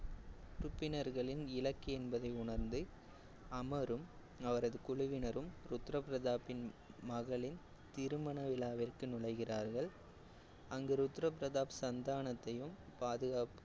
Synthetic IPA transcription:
ɾʊpːɪnɐɾɣɐɭɪnɪlɐkːiɛnbɐðɐɪʊɳɐɾnd̪ɯ | ɐmɐɾɯm | ɐʋɐɾɐðɯkʊɻʊʋɪnɐɾɯmɾʊt̪ːɾɐpɾɐðaːpːɪnmɐɣɐɭɪn | t̪ɪɾɯmɐɳɐʋɪlaːʋɪrkɯnʊɻɐɪɣɪraːɾɣɐɭ | ɐŋɡeɾʊt̪ːɾɐp̬ɾɐðaːpsɐnd̪aːɳɐt̪ːɐjɯmpaːðɯɣaːp

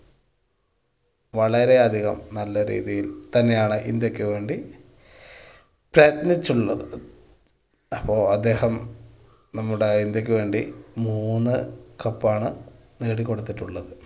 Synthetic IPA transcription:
ʋɐɭɐɾe̞ɐd̪ʱiɣɐmnɐlːɐɾḭːðijilt̪ɐnːe̞jaːɳɨʔind̪jo̞kʲːɨʋe̞ːɳɖi | prɐjt̪nit͡ɕːuɭːɐðɨ | ɐpːo̞ːɐd̪ːe̞ːhɐm | nɐmːuɽeind̪jo̞k̬ʲːɨʋe̞ːɳɖimuːnːɨkɐpːaːɳɨ | neːɽikːoɽut̪ːiʈːuɭːɐðɨ

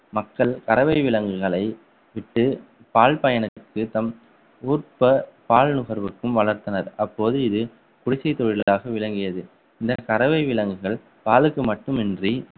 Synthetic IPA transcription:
mɐkːɐɭkɐɾɐʋɐɪʋɪlɐŋɡɯɣɐɭɐɪ | ʋɪʈːɯ | paːlpɐjɐnɐkːɯt̪ɐm | uːɾpɐpaːlnʊɣɐɾʋɯkːɯmʋɐɭɐɾt̪ɐnɐɾɐpːoːðɯɪðɯ | kʊɽɪt͡ʃːɐɪt̪ːɔɻɪlɐlaːɣɐʋɪɭɐŋɡɪjɐðɯ | ɪnd̪ɐkɐɾɐʋɐɪʋɪɭɐŋɡɯɣɐɭ | paːlɯkːɯmɐʈːɯmɛndri

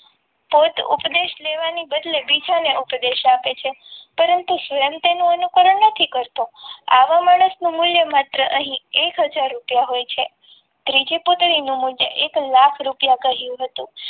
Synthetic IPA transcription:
pot̪ṵpd̪eʃleʋanibəd̪lebid͡ʒaneʔupd̪eʃapet͡ʃʰe | pəɾənt̪usəəmt̪enũənukəɾəɳnət̪ʰikəɾt̪õa̰ʋamaɽ̃əsnũmuljəmat̪ɾəʔəɦĩekɦəd͡ʒaɾːupjaɦojt͡ʃʰe | t̪ɾid͡ʒeput̪ɽinũmuljəʔeklakʰɾupjakəɦjũɦət̪ũ

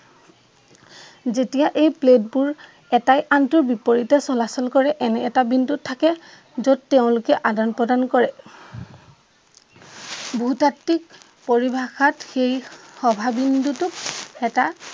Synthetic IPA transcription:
zetijaʔejpled̚buɹ | ɛtajʔantʊɹbipoɹitɛsɔlasɔlkɔɹɛʔɛnɛːtabindutʰːakɛ | zɔd̚teʊ̃lʊkɛʔadanpɹɔdankɔɹɛ | bʱuutatːik̚ | poɹibʱaxatxejxɔbʱabindutʊkɛta

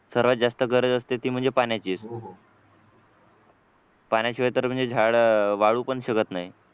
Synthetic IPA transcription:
səɾʋat̪̚d͡zast̪əɡəɾəd͡zəst̪et̪iːm̤əɳd͡zepanjat͡ɕiːso | panjat͡ɕiʋəjt̪əɾm̤əɳd͡zed͡ʑʱaɭʋaɭuːpəɳɕəɡət̪naɦi

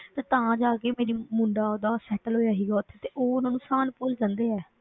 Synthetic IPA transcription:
t̪eːt̪ãːd͡ʒaːkeːmeːɾiːmʊ̃ːɳɖaːoːd̪aːsɛːʈəlɦoːjaːɦiːɡaːʊt̪ʰːeːt̪eːʔoːʊnãːnũːsaːnpuːld͡ʒãːnd̪eːɛː

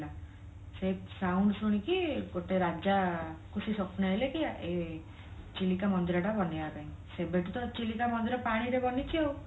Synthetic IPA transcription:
la | sesawɳɖsuɽ̃ikiɡoʈeɾad͡ʒakusisɔpʰnaelekijaʔe | t͡ʃilikamɔnd̪iɾɔʈabɔnejataĩ | sebeʈut̪ɔt͡ʃilikamɔnd̪iɾɔpaɽ̃iɾebɔnit͡ʃʰiew

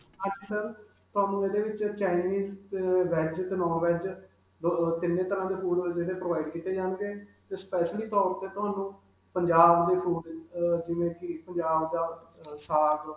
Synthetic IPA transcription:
ãːd͡ʒiːsəɾ | t̪ʊɦaːnũːeːd̪eːʋɪt͡ʃt͡ʃaːɪniːzʋɛːd͡ʒt̪eːnɔ̃ːʋɛːd͡ʒ | t̪ɪnːẽːt̪əɾãːd̪eːfʰuːɖd͡ʒeːɽeːpɾoːʋaːɪɖkiːt̪ːeːd͡ʒaːnɡ̪eːt̪eːspɛːʃliːt̪ɔːɾt̪eːt̪ʊɦaːnũː | pəɲd͡ʒaːbd̪eːpʰuːɖd͡ʒɪʋẽːkɪpəɲd͡ʒaːbd̪aːsaːɡ

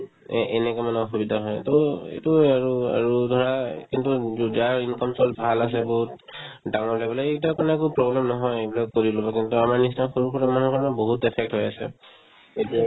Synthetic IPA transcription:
ʔɛnɛkɔmanɛɔxubidʱaɦɔjtoḛtuaɹua̰ɹudʱɔɹakintuzaɹinkɔmsɔlbʱalas̬ɛboɦut | daŋɔɹlabɔlɛetakɔnaɛk̬upɹɔblɛmnɔɦɔjejbilɔkoɹilobɔkintuamaɹnistanxoɹukʰɔtamanɦukɔnaboɦutɛpʰɛk̚tɦɔjasɛ̰ | etia

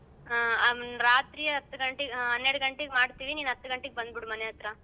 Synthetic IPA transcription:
ɾaːt̪ɾiːjɐɦɐt̪ːuɡɐɳʈeɡɦɐnːeɽuɡɐɳʈeɡemaːɽt̪iːʋiniːnɐt̪ːuɡɐɳʈeɡebɐnd̪biɽumɐneɐt̪ɾɐ

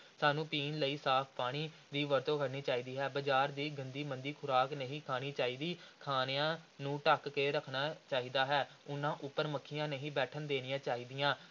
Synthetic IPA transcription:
saːnũːpiːnləiːsaːpʰpaːɽ̃iː | d̪iːʋəɾt̪õːkʰəɽniːt͡ʃaːiːd̪iːɦɛːbəd͡ʒaːɾd̪iːɡə̃nd̪iːmənd̪iːkʰʊɾaːknəɦĩːkʰaːniːt͡ʃaːiːd̪iːkʰaːnejãːnũːʈəkːeːɾəkʰnaːt͡ʃaːiːd̪aːɦɛː | ʊnːãːʔʊpːəɾməkʰːɪjãːneɦĩːbɛːʈʰənd̪eːnɪjãːt͡ʃaːɦiːd̪ijãː

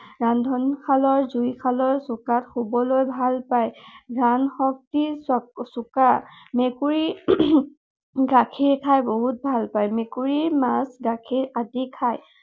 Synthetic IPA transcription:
ɹandʱɔnkʰalɔɹzujkʰalɔɹsʊkatxubɔlojbʱalpajɹanxɔk̚tisɔsʊkamekuɹi | ɡakʰiɹkʰajboɦut̚bʱalpajmekuɹimasɡakʰiɹadikʰaj

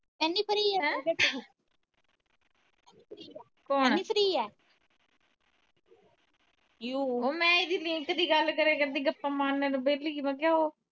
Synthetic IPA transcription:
mɛːnːiːpəɾiːɛːɛ̃ːeːʈː | ɛiːpɾiː | koːniːpʰɾiːɛː | juːoːmɛ̃ːɪd̪iːlɪ̃ŋkd̪iːɡəlkəɾeːkəɾd̪iːɡəpːãːmaːnːeɾbeːliːmãːɡaːoː

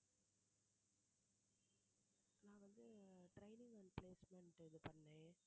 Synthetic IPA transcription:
nãːʋɐnd̪ɯʈɾɐɪnɪŋɡɐnpleːsmɛɳʈɪðɯpɐɳːẽː

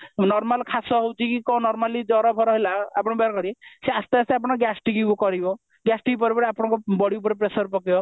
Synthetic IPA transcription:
nɔɾmalkʰasɔɦowt͡ʃʰikikɔnɔɾmalid͡ʒɔɾɔpʰɔɾɔɦelaa̰pɔɽ̃ɔbaɾkɔɾieseast̪aaseapɔɽ̃ɔɡasʈiɡibɔkɔɾibɔ | ɡasʈiɡipɔɾepɔɾeapɔɽɔ̃ŋkɔbɔɽiupɔɾep̬ɾesɔɾpɔkibɔ

